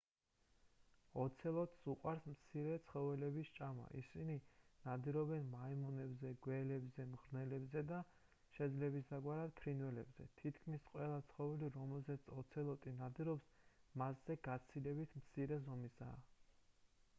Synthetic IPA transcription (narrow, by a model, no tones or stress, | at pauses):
ɔt̪sʰɛlˠɔt̪ʼsuqʼwaɾsmt̪sʰiɾɛt̪sʰχɔvɛlɛbist͡ʃʼama̰ʔḭsininad̪iɾɔbɛnmaimɔnɛbzɛɡwɛlɛbzɛmʁɾnɛlɛbzɛd̪a | ʃɛd̪zlɛbisd̪aɡwaɾad̪̥pʰɾinwɛlɛbzɛ̰t̪ʰit̪ʰkʰmisqʼwɛlˠat̪sʰχɔvɛliɾɔmɛlzɛt̪sʰɔt̪sʰɛlˠɔt̪ʼinad̪iɾɔpsmasz̥ɛɡat̪sʰilɛbit̪ʰmt̪sʰiɾɛzɔmisa̰ː